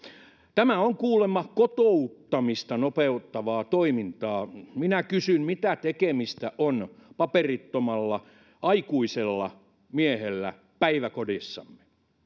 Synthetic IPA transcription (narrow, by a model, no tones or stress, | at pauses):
t̪æmæoŋkuːlemːɑkot̪out̪ːɑmist̪ɑnopeut̪ːɑʋɑːt̪oimint̪ɑːminækysymmit̪æt̪ekemist̪æʔonpɑperit̪ːomɑlːɑ | ʔɑikuiselːɑ | miehelːæ̰ | pæiʋækodisːɑ̰mːe